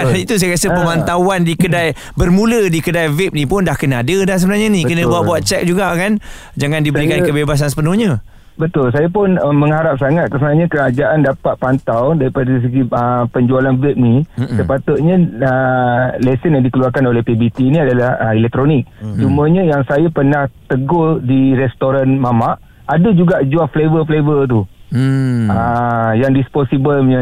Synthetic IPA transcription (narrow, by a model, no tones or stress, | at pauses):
it̪us̬ajɾiasəpəmant̪awandikədaj | bərmũlədikədajvɛp̚nipʊndahkənaadədahs̬əbənarɲanikənə̃buaʔ̚buat̪̚t͡ʃɛk̚d͡ʒuɡakan | d͡ʒaŋandibəɾikankəbebas̬ans̬əpənuhɲã | bət̪ʊls̬ajapʊnəməŋɦaɾap̚saŋat̪̚kəsənaɲãkəɾad͡ʒaʔandapat̪̚pant̪awdaɾipadaɾis̬əɡiəpəɲd͡ʒualanvɛp̚nisəpat̪ʊt̪̚ɲə̃əlɛsənjaŋdikəluarkanolɛhpebit̪iːniadalahəɛlɛk̚t̪ɾonɪk̚t͡ʃuməɲãjaŋsajapənaht̪əɡodiɾɛst̪oɾanmamaʔ | adad͡ʒuɡaʔd͡ʒuaflevəflevət̪̬u | əjaŋdisposibəlɲə